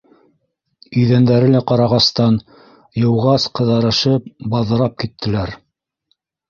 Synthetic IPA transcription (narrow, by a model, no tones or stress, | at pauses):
ɵ̆jðænd̪æɾɘlæqɑɾɑʁɑst̪ɑn | jɤ̆wʁɑsqɤ̆ðɑɾɤ̆ʃɤp̚bɑðɤ̆ɾɑp̚kit̪ʰːɘ̆læɾ